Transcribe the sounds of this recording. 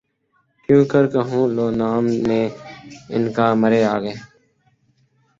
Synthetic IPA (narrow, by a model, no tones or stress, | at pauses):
kjũːkəɾkəɦũːloːnaːmneːɪ̰nkaːməɾeːaːɡeː